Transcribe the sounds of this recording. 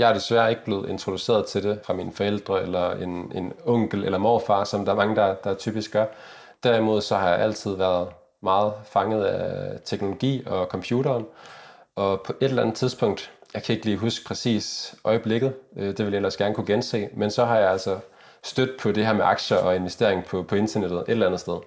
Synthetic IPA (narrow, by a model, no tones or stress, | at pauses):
jɑhæɐd̥e̝sʋæːɐe̝ɡ̥əb̥le̝ːð̞̩ˠe̝nt͡sʰʁo̝d̥use̝̰ːɐðˠt͡sʰe̝de̝fʁɑ̈miːnəfɒ̽el̰d̥ʁɐelɐe̝ne̝nɔ̽ŋ̰ɡ̥l̩elɐmɒ̰ːfɑ̰̈ːsɒ̽md̥ɑ̈æɐmɑ̈ŋəd̥ɑd̥ɑ̈ɐt͡sʰy̰ːb̥isɡ̥ɶɐ | d̥æɐimo̝ð̰ˠsɒ̽hɑ̈jɑ̈ɪʔæl̰t͡sʰið̞̰ˠʋæɐð̞ˠ | mɑ̈ːð̞̩ˠfɑ̈ŋəð̞̩ˠæt͡sʰeɡ̥no̝lo̝ɡ̥ḭːɒ̽kʰɒ̽mpʰjuːɾɐːnʔɒ̽pʰɒ̽ʔe̝ɾ̥elænð̩ˠt͡sʰiðˠsb̥ʰɔ̽ŋ̰d̥jɑɪkʰæe̝ɡ̥liːɦusɡ̥̚pʰʁɛsḭːsʔɒ̽ɪəb̥le̝ɡ̥ð̩ˠød̥e̝ʋeljaelɐsɡ̥æɐnəkʰuɡ̥ense̝̰ːmensɒ̽ɦɑ̈jɑælsɒ | sd̥ød̥ð̩̥ˠpʰɒ̽ɾ̥e̝ɦæɐ̰meʔɑ̈ɡ̥ɕɐʔɒ̽e̝nʋesd̥e̝ɐ̰eŋ̩pʰɒ̽pʰɒ̽e̝nt͡sʰɐned̥ð̩ˠʔe̝ɾ̥elænð̩sd̥eð̞ˠ